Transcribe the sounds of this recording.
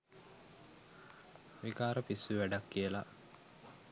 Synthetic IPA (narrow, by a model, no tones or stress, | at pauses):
ʋikaːɾəpisːuʋæɖakːijəla